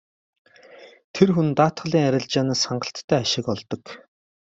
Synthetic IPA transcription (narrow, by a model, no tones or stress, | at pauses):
t̪ʰerxunt̪aːt̪χə̆ɮiːŋæɾʲɪ̆ɮt͡ɕaːnaːsχaɴɢə̆ɬt̪ʰːæːaʃɪ̆kɔɮt̪ɞ̆k